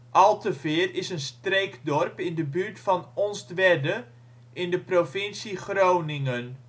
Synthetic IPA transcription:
ʔɑlˠtəvɪːrɪsənstrejkdɔrpɪndəbyɹtfɑnɔnsdʋɛdə | ɪndəprofɪnsiχrownɪŋən

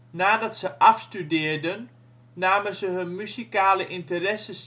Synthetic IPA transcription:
naːdɑtsəʔɑfstydɪːrdənː | aːmənzəɦɵnmysikaːləʔɪntəɾɛsəs

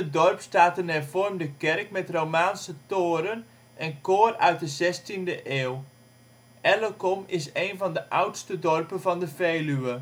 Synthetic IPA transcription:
ədɔrpstaːtənɛrvɔrmdəkɛrkmɛtrowmaːnsətoːɾən | ʔɛnkoːrœɥt̚dəzɛstindəʔeːw | ʔɛləkɔmɪseːnvɑndəʔawtstədɔrpənvɑndəfejlyə

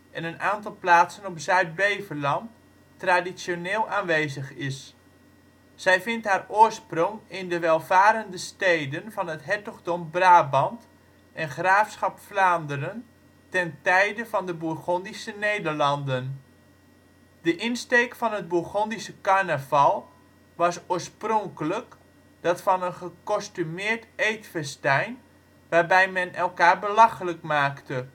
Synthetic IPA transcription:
ʔɛnənaːntɑlˠplaːtsənɔpsœɥd̚bejvəlɑntː | radisjoneːlˠaːnʋeːzəχɪs | z̥ɛjvɪntɦaːrʊːɹsprɔŋɪndəʋɛlˠvaːɾəndəstejdənvɑnɦətɦɛtəɣdɔmbraːbɑnt | ʔɛnχraːfsχɑpflaːndərən | tɛntɛjdəvɑndəbuɹχondisənejdəɹlɑndən | dəʔɪnstejkfɑnɦəd̚buχɔndisəkarnəvɑlˠ | ʋɑsoːɹsproŋkələk | d̥ɑtfɑnənχəkɔstymɪːɹtejtfɛstɛjn | ʋaːɹbɛjmɛnɛlˠkaːɹbəlɑxələkmaːktə

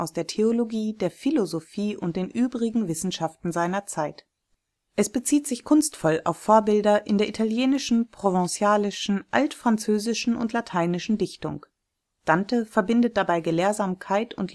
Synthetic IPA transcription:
ʔaʊsd̥eːɐtʰeoloɡiːdeːɐfilozofiːʊnt̚d̥eːnʔyːbʁɪɡŋ̩vɪsn̩ʃaftn̩zaɪnɐt͡saɪt | ʔɛsb̥ət͡siːtz̥ɪçkʰʊnstfɔla̰ʊfːoːɐbɪldɐʔɪndeːɐʔitʰaljeːnɪʃn̩pʁ̥ovɛ̃sjaːlɪʃn̩ʔaltfʁ̥ant͡søːzɪʃn̩ʊ̰ntʰlatʰaɪnɪʃn̩dɪçtʊ̰ŋ | d̥antəfɛɐbɪndət̚d̥abaɪɡəleːɐzaːmkʰaɪtʊnt

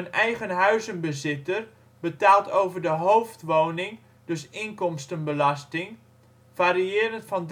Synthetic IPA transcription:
ənɛjχənɦœɥzənbəzɪtər | bətaːlˠtowvərdəɦowftʋoːnɪŋ | d̥øsɪŋkɔmstənbəlɑstɪŋ | faɾiɪəɾəntfɑnd

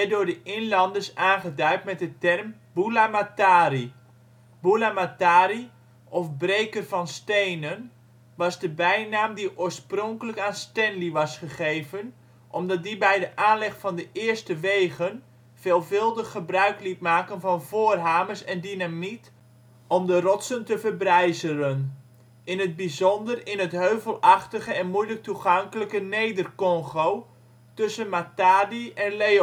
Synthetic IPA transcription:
ɛdʊːɹdəʔɪnlɑndəsaːnχədœɥtmɛt̚dətɛrm | bulamataːri | bulamataːɾi | ʔɔfbrejkərvɑnstejnən | ʋɑzdəbɛjnaːmdiʔoːɹsprɔŋkələkaːnstɛnliʋɑsχəχejvən | ʔɔmdɑt̚dibɛjdəʔaːnlɪχfɑndəʔɪərstəʋeːɣən | v̥eːlˠvɪlˠdəχːəbrœɥklit̚maːkənvɑnvoːrɦaːməsɛndinamit | ɔmdərɔtsəntəvərbrɛjzərən | ɪnɦəd̚bizɔndərɪnɦətɦøɥvəlˠɑχtəχəɛnmujlək̚tuχɑŋkələkənejdərkɔŋχow | tɵsənmataːdiɛnle

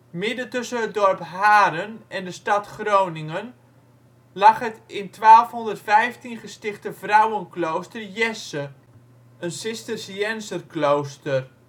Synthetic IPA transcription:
mɪdəntɵsənɦət̚dɔrpɦaːɾənɛndəstɑtχrownɪŋən | lɑχɦətɪntʋaːlˠfɦɔndərtfɛjftinχəstɪχtəvrawənklowstərjɛsə | ənsɪstərsiɛnsərklowstər

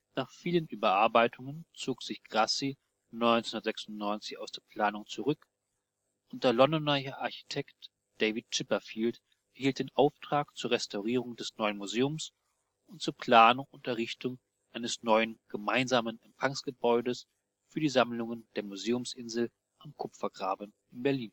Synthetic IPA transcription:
naːχfiːlənʔyːbɐʔaɐbaɪtʰʊŋənt͡soːkz̥ɪçɡ̥ʁasi | nɔʏnnndɐtz̥ɛksʊntnɔʏnt͡sɪçaʊsd̥eːɐpʰl̥aːnʊŋt͡suʁʏk | ʔʊnt̚d̥eːɐlɔndɔnɐɐʔaɐçi̥tʰɛkt | d̥eɪvɪt̚t͡ʃɪpɐfiːlt | hiːlt̚d̥eːnʔaʊftʁ̥aːkt͡suːɐʁɛstʰaʊʁiːʁ̞ʊŋdɛsnɔʏənmuzeːʊms | ʔʊnt̚t͡suːɐpʰl̥aːnʊŋʊntdɐʁɪçtʊŋ | ʔaɪnəsnɔʏənɡ̥əmaɪnzaːmənɛmfaŋsɡ̥əbɔʏdəs | fyːɐdiːzamlʊŋənd̥eːɐmuzeːʊmsʔɪnzl̩ | ʔamkʰʊpfɐɡʁaːbənʔɪnbɛɐliːn

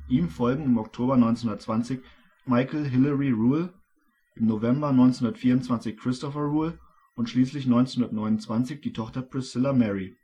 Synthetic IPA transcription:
ʔiːmfɔlɡŋ̩ɪmɔk̚tʰoːbɐnɔʏnt͡snhʊndɐtt͡sv̥ant͡sɪç | maɪkl̩ɦɪlɐʁiʁuːl | ʔɪmnovɛmbɐnɔʏnt͡snhʊndɐtfiːɐʊntt͡sv̥ant͡sɪçkʁ̥ɪstɔfɐʁuːl | ʔʊntʃliːslɪçnɔʏnt͡snhʊndɐtnɔʏnʊnt͡sv̥ant͡sɪçd̥iːtʰɔχtɐpʁ̥ɪsɪlɐmɛʁi

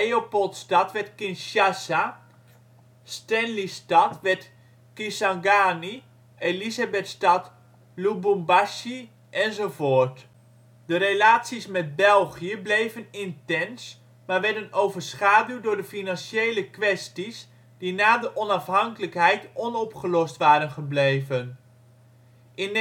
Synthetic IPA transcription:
eopɔlˠtstɑtʋɛtkɪnʃasa | stɛnlistɑtʋɛt | kɪsaŋɡaːni | elizabɛtstɑt | lubumbaʃi | ʔɛnzovoːɹt | dəɾelaːtsismɛd̚bɛlˠχiəblejvənɪntɛns | maːɹʋɛɹdənowvəɹsχaːdywdʊːɹdəfinɑnʃejləkʋɛstis | d̥inaːdəʔɔnɑfɦɑŋkələkɦɛjtɔnɔpχəlɔstʋaːɾənχəblejvən | ʔɪn

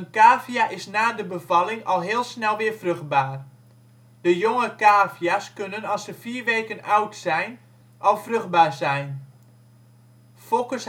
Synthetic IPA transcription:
ənkaːvijaʔɪsnaːdəbəvɑlˠɪŋɔlˠɦɪːlˠsnɛlˠʋɪːərfrøxt̚baːr | dəjoŋəkaːfjaskønənɑsəfiːrʋeːkənawtsɛjn | ʔɔlˠfrøxd̚baːrzɛjn | folˠkəs

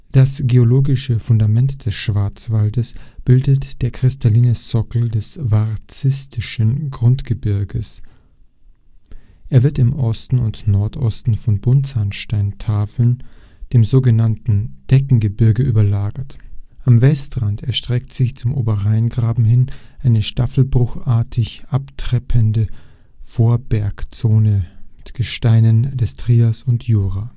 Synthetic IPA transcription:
d̥asɡ̥eoloːɡɪʃəfʊndamɛntd̥ɛsʃv̥aɐt͡sv̥aldəsb̥ɪldətd̥eːɐkʁ̥ɪstaliːnəsɔkl̩dɛsvaʁt͡sɪstʰɪʃənɡʁʊntɡ̥əbɪɐɡəs | ʔeːɐvɪɐtɪmʔɔstn̩ʊ̰ntnɔɐtʔɔ̰stn̩fɔnbʊntshanʃtaɪntʰaːfl̩n | d̥eːmzoːɡənantn̩d̥ɛkŋ̩ɡəbɪɐɡəʔyːbɐlaːɡɐtʔamvɛstʁantɛɐʃtʁ̥ɛktz̥ɪçt͡sʊmʔo̰ːbɐʁaɪənɡʁaːbm̩ɦɪnʔaɪnəʃtafl̩bʁʊxʔaɐtʰɪçʔaptʁ̥ɛpʰəndə | foːɐbɛɐkt͡soːnəmɪtɡ̥əʃtaɪnəndɛstʁ̥iːɐsʊntʰjuːʁaː

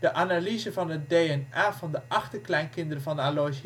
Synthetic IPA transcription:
d̥əʔanalizəvɑnət̚deɛnaːvɑndəʔɑχtəklɛjnkɪndərəvɑndəalojs

